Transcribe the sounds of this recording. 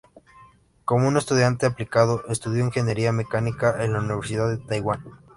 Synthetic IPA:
ko̞moune̞st̪uðjant̪e̞aplikað̞oʔest̪uðjoiŋxe̞nje̞ɾiame̞kanikaʔenlauniβ̞e̞ɾsiðaðet̪ajɣwan

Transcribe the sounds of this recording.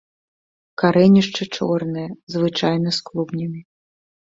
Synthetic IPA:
kaɾɛnʲiʂt͡ʂɨt͡ʂɔrnɨjɛzvɨt͡ʂajnɐsklˠubnʲimʲi

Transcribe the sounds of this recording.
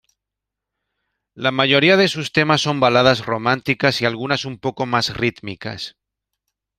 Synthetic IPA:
lamaʝo̞ɾiað̞esust̪e̞masːo̞mbalað̞azro̞mãnt̪ikasialɣ̞unasumpo̞ko̞masrit̪mika̰s

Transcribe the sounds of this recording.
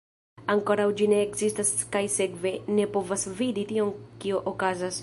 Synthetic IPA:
aŋko̞ɾawd͡ʒineːkzistaskajse̞kve̞ne̞po̞vasviditio̞ŋkioʔokazas

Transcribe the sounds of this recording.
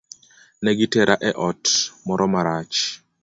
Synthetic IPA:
nɛɡitɛɾʔaʔɛʔɔtmɔɾɔmaɾat͡ʃ

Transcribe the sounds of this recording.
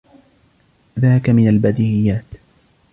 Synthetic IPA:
ðaːkamɪnalbad̪ɪhɪjːaːt̪

